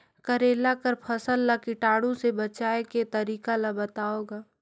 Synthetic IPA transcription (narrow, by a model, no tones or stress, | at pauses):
kəɾeːlakəɾpʰɐsəlːakɪʈaːɽõsebət͡ʃaːeket̪ɐɾiːkalabɐt̪aːoːɡaː